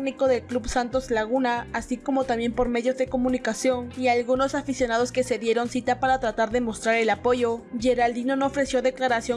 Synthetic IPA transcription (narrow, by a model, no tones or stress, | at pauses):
niko̞ðe̞lklubsant̪o̞zlaɣunaːsiko̞mo̞t̪amje̞mpo̞ɾme̞ðjo̞zðe̞ko̞mũnikasjo̞nialɣuno̞safisjo̞nað̞o̞ske̞se̞ðje̞ɾo̞nsit̪apaɾat̪ɾat̪aɾðe̞mo̞st̪ɾaɾe̞lapo̞ʝo̞ʝe̞ɾald̪ino̞noofɾe̞sjoðe̞klaɾasjo̞